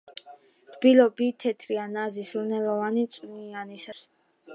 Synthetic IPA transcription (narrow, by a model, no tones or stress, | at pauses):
t̪ʰbilɔbit̪ʰɛt̪ʰɾianazisunɛlɔvanit̪sʼnianisas